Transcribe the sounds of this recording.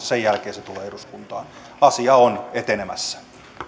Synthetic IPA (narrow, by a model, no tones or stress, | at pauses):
sejjælkeːset̪uleːeduskunt̪ɑːn | ɑsiɑonet̪enemæsːæ̥